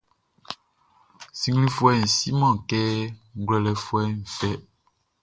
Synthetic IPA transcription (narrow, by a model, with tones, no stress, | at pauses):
si˦ŋɡlĩ˦fu˦ɛ˦n̩˨si˦mã˦˨kɛ˦ɡlɛ˨lɛ˨fu˦ɛ˦n˨fɛ˦